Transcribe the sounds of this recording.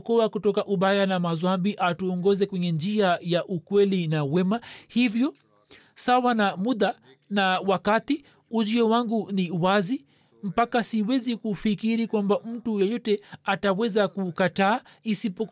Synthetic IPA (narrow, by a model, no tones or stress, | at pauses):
kɔakutɔkaʔuɓajanamazwambiʔatuɔŋɡɔzɛkwɛɲɛnd͡ʒiajaʔukwɛlinawɛmahivjɔ | sawanamuɗa | nawakati | uʄiɔwaŋɡuniwazi | m̩pakasiwɛzikufikiɾikwambam̩tujɛjɔtɛatawɛzakukataː | isipɔ